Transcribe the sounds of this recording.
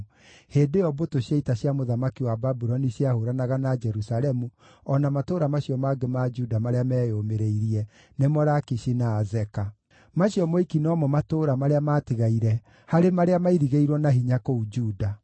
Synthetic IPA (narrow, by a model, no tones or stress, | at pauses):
heːdejɔbotoɕjaitaɕjamoðamakiwababuɾɔniɕjahoɾanaɣanad͡ʒɛɾusalɛmu | ɔnamatoɾamaɕjɔmaɡemad͡ʒudamaɾeamɛːjomeɾeiɾiɛ | nemɔɾakiʃinaːzɛka | maɕjɔmoikinɔːmɔmatoɾamaɾeamaːtiɣaiɾɛ | haɾemaɾeamaiɾiɣeiɾwɔnaɦiɲakoud͡ʒuːda